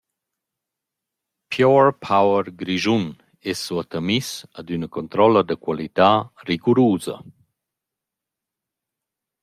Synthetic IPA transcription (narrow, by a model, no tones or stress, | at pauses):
pʰjɔɹpʰawəɾɡɾiʒun | ɛsːuat̪amisad̪ynɐkɔnt̪ɾɔlɐd̪əkwalit̪aːriɡuɾuːzɐ̰